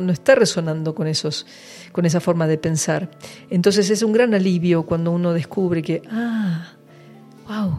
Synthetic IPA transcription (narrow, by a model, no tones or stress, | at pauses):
noest̪areso̞nãnd̪o̞konesos | ko̞ne̞s̬afo̞ɾmaðepe̞nsaɾent̪o̞ns̬e̞s̬es̬uŋɡɾanaliβjo̞kwand̪o̞uno̞ðe̞skuβɾekeʔa | waw